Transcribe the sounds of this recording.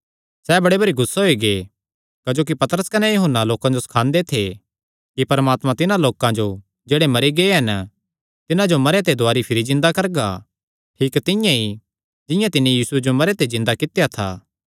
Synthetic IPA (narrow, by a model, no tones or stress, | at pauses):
sɛːbɐɽebɐɾiɡʊsːeɦoiɡe | kɐd͡ʒoːk̬ipɐt̪əɾəskɐnɛjɐɦənːaloːkãd͡ʒosɐ̥kʰãːnd̪et̪ʰe | kipɐɾmaːt̪mãt̪ɪnãloːkãd͡ʒo | d͡ʒeːɽemɐɾiɡɐeɦɐn | t̪ɪnãd͡ʒomɐɾet̪̬ed̪ʊaːɾipʰɪɾizɪ̃nd̪akɐɾɡa̰ | ʈʰiːkt̪ɪ̃jãi | d͡ʒɪ̃jãt̪ɪnːĩjiːsued͡ʒomɐɾet̪ezɪ̃nd̪akɪt̪ejat̪ʰa̰ː